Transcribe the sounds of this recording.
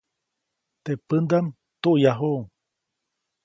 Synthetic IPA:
t̪epɨnd̪am | t̪uʔjaɦoŋ

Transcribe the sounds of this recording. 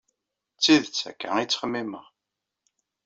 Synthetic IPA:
t͡sːiðt͡sːæ̰kːæ̰it͡sːə̥χəmːimə̰ʁ

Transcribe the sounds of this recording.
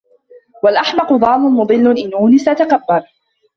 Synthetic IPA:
walʔaħmɑqʊd̪ˤɑːmʊnmʊd̪ˤɨlːʊnʔɪnːuːnisat̪akabːal

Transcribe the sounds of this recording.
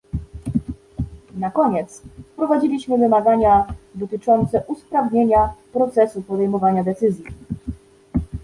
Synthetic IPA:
nakɔɲɛt̪spɾɔvad͡ʑilʲiɕmɘvɘmaɡaɲad̪ɔt̪ɘt͡ʂɔnt̪sɛʔuspɾavɲeɲapɾɔt̪sɛsupɔd̪ɛjmɔvaɲad̪ɛt̪sɘzʲji

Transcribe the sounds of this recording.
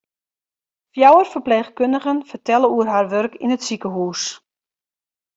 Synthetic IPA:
fjawərfərpleːχkøndəɣənfərtɛləuərɦarʋørkʰinətsikəɦuːs

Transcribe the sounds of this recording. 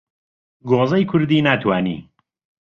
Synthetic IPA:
ɡoːzɐjkʰʊɾd̪iːnat̪ʰwaːnḭː

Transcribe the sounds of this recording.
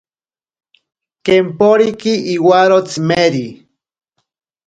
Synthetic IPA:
kempoɾikiiwaɾot͡smeɾi

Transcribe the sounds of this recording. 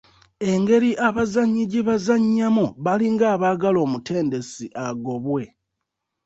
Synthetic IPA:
e̞ŋɡe̞ɾiʔaβazaɲːiɟiβazaɲːamuβaliŋɡaːβaːɡalo̞ːmutʰe̞ːnde̞siʔaɡo̞βwe̞

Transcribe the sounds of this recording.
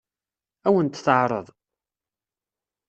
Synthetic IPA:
æwənt̪θəʕɾˤə̰ðˤ

